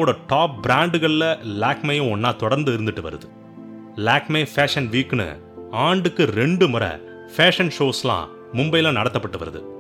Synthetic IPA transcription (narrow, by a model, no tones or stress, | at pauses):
oːɽɐʈaːp̚bɪɾaːɳɖɯɣɐɭɪlɐlaːkmɐjʊ̃ɔnːaːt̪ɔɽɐɾnd̪ɯɪɾɯnd̪ɯʈːɯʋɐ̰ɾɯ̰ðɯ | laːkmeːfaːʂɐnʋiːkːɯnɯ̰ | aːɳɖɯkːɯɾɛɳɖɯmʊɾɐ̰ | feːʂɐnʂoːslã̰ː | mʊmbɐjɪlãːnɐɽɐt̪ːɐpːɐʈːɯʋɐ̰ɾɐðɯ̰